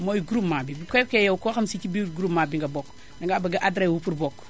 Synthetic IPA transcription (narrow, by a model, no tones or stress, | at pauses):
mojiɡuɾupmabibikɔkejɛwkoxɐmsikibiɡɾupmabiŋɡabok | dɐŋɡabɐɡɐʔadɾewupuɾbok